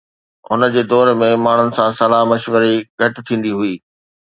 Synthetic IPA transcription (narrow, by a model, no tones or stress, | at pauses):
ɦʊnə̆d͡ʑeːd̪ɔːɾmẽmaːɳ̤ʊnɪ̆sãsɐlaɦmɐʃʋəɾiɡʱɐʈɪt̪ʰĩːn̆d̪iɦuiː